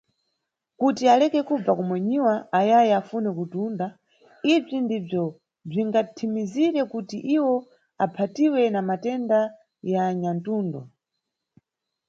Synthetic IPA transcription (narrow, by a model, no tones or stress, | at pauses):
kutialɛkɛkub͡vakɔmwɛɲiwaːjajɛafunɛkutunda | ib͡ʐindib͡ʐɔ | b͡ʐiŋɡatʰimiziɾɛkutiʔiwɔ | apʰatiwɛnamatɛnda | jaːɲantuːndɔ̰